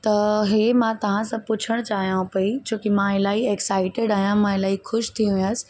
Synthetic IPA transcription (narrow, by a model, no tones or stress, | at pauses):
t̪ɐɦemãt̪ɐʋ̤ãsãpʊt͡ɕʰəɽ̃t͡ɕaːɦijãũpɐit͡ɕoːkimãɪlaːieksaːɪʈeɖaːɦijãmãɪlaːixʊʃt̪ʰiũjsɪ̥̆